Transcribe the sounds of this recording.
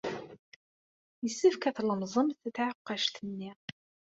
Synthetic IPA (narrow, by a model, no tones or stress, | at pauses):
jəsːəfkæθləmzˤəmθət̪ʕəqːɑʃt̪ənːi